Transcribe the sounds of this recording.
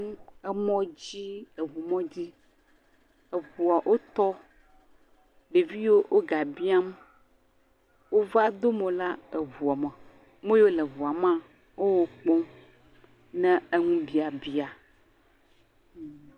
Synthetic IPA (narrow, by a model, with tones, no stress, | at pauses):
e˦mɔ̃˦d͡ʑi˦ə˨vu˨mɔ̃˦d͡ʑi˦ | ə˨vu˨a˨ʔo˦t̪ɔ˦ | ɖe˨vi˦wo˦ʔo˦ɡa˨bi˦a˦m | wo˦va˦d̪o˦mə̃˨la˦e˨vu˨a˨mə˨ | mõ˦jo˦le˨vu˨a˨mã˦˨ | wo˦wo˨k͡pɔ̃˦ | nɛ̃˦e˦ŋũ˦bi˨a˨bi˦a˨